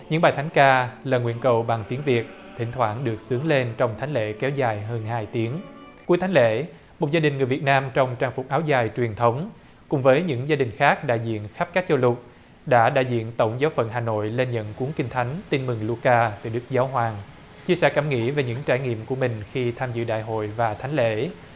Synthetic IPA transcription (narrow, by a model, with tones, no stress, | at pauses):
ɲɨ̰˧˥ŋɓaː˨˩jt̪ʰa˨˦ŋ̟kaː˧ləː˨˩ŋwḭ˧˥ənkə˨˩wɓa˨˩ŋt̪i˨˦əŋvi˨˩ət̚ | t̪ʰï˧˩ŋ̟t̪ʰwaː˧˩nɗɨ˨˩ək̚sɨ˨˦əŋle˧nt͡ɕɔ˧wŋ͡mt̪ʰa˨˦jŋ̟lḛ˧˥kɛ˨˦wzaː˨˩jɦəː˧nhaː˧jt̪i˨˦əŋ | ku˨˦əjt̪ʰa˨˦ŋlḛ˧˥ | mo˨˩t̚zaː˧ɗï˨˩ŋ̟ŋɨ˨˩əjvi˨˩ət̚naː˧mt͡ɕɔ˧wŋ͡mt͡ɕaː˧ŋfʊ˨˩k͡p̚ʔaː˨˦wzaː˨˩jt͡ɕwi˨˩ənt̪ʰə˨˦wŋ͡m | kʊ̰˨˧˩ŋ͡mvəː˨˦jɲɨ̰˧˥ŋzaː˧ɗï˨˩ŋ̟xaː˦˥k̚ɗa̰ː˧˨jzḭ˧˨ənxa˦˥p̚kaː˦˥k̚t͡ɕo˧lʊ˨˩t̚ | ɗa̰ː˧˥ɗa̰ː˧˨jzḭ˧˨ənt̪ə˧˩wŋ͡mzaː˨˦wfə̰˧˨nɦaː˨˩no̰˧˨jle˧nɲə̰˧˨nku˨˦əŋkï˧ŋ̟t̪ʰa˨˦jŋ̟t̪i˧nmɨ˨˩ŋlu˧kaː˧t̪ɨ̰˨˩ɗɨ˦˥k̚zaː˨˦wɦwaː˨˩ŋ | t͡ɕi˧əsɛ̰˧˥ka˧˩mŋḭ˧˥ve˨˩ɲɨ̰˧˥ŋt͡ɕaː˧˩jŋḭ˧˨əmku˧˩əmï˨˩ŋ̟xi˧t̪ʰaː˧mzɨ̰˧˨ɗa̰ː˧˨jɦo̰˧˨jvaː˨˩t̪ʰa˨˦jŋ̟lḛ˧˥